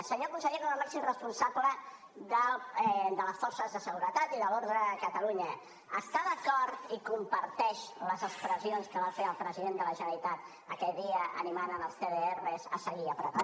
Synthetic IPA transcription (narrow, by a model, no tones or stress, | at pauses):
səɲokunsəʎekoməmasimrəspunsablə | ðəd̪ələsfɔɾsəzðəsəɣuɾət̪at̪iðəloɾðəkət̪əluɲə | əst̪aðəkɔɾt̪ikumpəɾt̪ɛʃləzəkspɾəzionskəβafeəlˠpɾəziðend̪ələʒənəɾit̪at̪ | əkɛʎðiəə̰nimanənəlˠst̪eðeerrezə̰səɣiəpɾəpa